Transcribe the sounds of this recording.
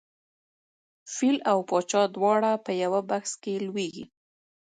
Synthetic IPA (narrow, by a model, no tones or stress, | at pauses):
filawpɑt͡ʃɑd̪wɑɽapəjawabaxskelweɡḭ